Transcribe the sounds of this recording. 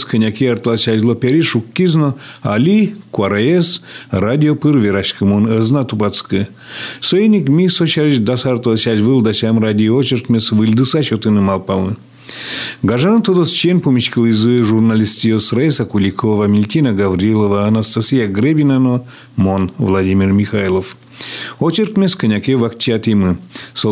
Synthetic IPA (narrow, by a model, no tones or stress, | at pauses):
skənʲakʲiart̪asʲazʲlˠopʲeɾʲiʂukːiznoa̰lʲikuaɾajesrad̪ʲiopɨrvʲeɾaʃkɨmonəznat̪upat̪skɨ | sojenʲikmʲisoɕaɾit͡ʃd̪asart̪alsʲazʲvɨlˠd̪asʲamrad̪ʲiot͡ʃirk̪mʲesʋɨlʲd̪ɨsaɕot̪ɨnɨmalˠpamɨ | ɡaʐanɨt̪od̪ost͡ʃenʲpumʲiʃkɨlˠizɨʒurnalʲisʲt̪ʲijosrajsakulʲikʰovamʲilʲt̪ʲinaɡavrʲilˠovaːnast̪asʲijaɡɾʲebʲinano | monvlˠad̪ʲimʲirmʲixajlˠof | ot͡ʃirkmʲeskɨnʲakʲevakt͡ʃiat̪imɨso